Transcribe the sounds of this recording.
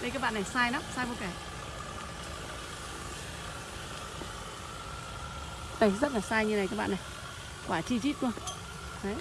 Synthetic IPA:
ɗə˧jkaː˦˥k̚ɓ̰aː˧˨na˨˩jsaː˧jna˨˦msaː˧jvo˧kaː˧˩ | t̪a˨˧˩zə˦˥t̚laː˨˩saː˧jɲɨ˧na˨˩jkaː˦˥ɓ̰a̰ː˧˨na˨˩j | kwaː˧˩t͡ɕi˧t͡ɕi˦˥t̚ɗu˧ə | ə˨˦

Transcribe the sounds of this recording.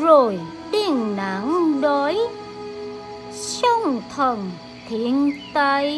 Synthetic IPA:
zo˨˩j | t̪i˧˩ənna̰˧˩˥ŋɗo˨˦j | sə˧wŋ͡mt̪ʰə˨˩n | t̪ʰi˧˦˨ənt̪a˧j

